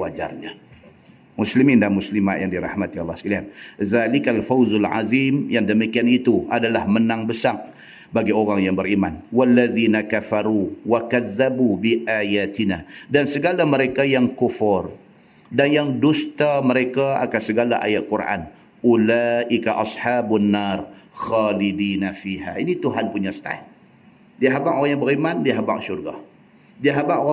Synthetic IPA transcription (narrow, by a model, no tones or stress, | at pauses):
wad͡ʒa̰rɲa | mʊslimɪndamuslima̰ʔ̪jaŋdiɾɑ̰hmat̪iɑlːɑhskilianðalikalfawzalʕa̰zimjaŋdəmikianit̪uʔadalahmənaŋbəsak̚ | baɡioɾaŋjaŋbəɾimanwalːaðinakafaɾuwakaðːabubiʔajat̪inadansəɡalaməɾekajaŋkufɔr | danjaŋdust̪aməɾekaa̰kansəɡalaʔa̰jat̪̚kuɾʔa̰n | ʔulaʔikaʔɑsħaːbunːarxalidiːnafiha̰init̪uɦanpuɲast̪a̰t̪̚ | diaɦabaʔoɣaŋjaŋbəɾimandiaɦaba̰ʔsurɡa̰h | diaɦabaʔoa